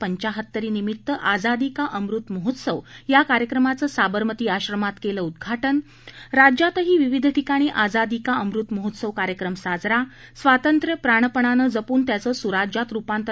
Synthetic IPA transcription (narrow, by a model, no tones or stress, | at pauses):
pəɲt͡ɕaɦət̪ːəɾiːnimit̪ːəʔad͡zad̪ikaʔəmɾut̪məɦut̪səʋjakaɾjəkɾəmat͡səːsabəɾmət̪iːaɕɾəmat̪keləːud̪ɡʱaʈən | ɾad͡ʑjat̪əɦiːʋiʋid̪ʱʈikaɽ̃iʔad͡zad̪ikaəmɾut̪məɦut̪səʋkaɾjəkɾəmsad͡zɾa | sʋat̪ənt̪ɾjəpɾaɳ̃əpəɳanəːd͡zəpuːnt̪jat͡səːsuɾad͡ʑat̪ɾupãnt̪ə